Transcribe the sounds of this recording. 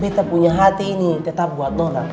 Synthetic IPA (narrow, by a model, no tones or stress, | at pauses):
bet̪apuɲaɦat̪iːnit̪ɛt̪ap̚buat̪̚lɔla̰